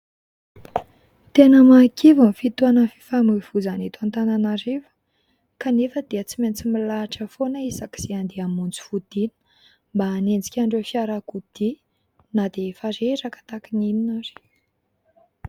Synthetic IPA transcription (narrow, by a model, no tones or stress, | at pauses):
t̪enəmakivənfit̪uanəfi̥famuv̥uzanet̪uant̪ananaɾevə̥ | kanefəd̪̥iət͡siment͡similaʈ͡ʂəfonaisaki̥z̥eand̪eamunt͡su̥fud̪̥inə̥ | mbaːnend͡zi̥kʲaɳɖ͡ʐefiaɾakud̪̥i | nad̪efaɾeɾakə̥t̪akiniminaɾi̥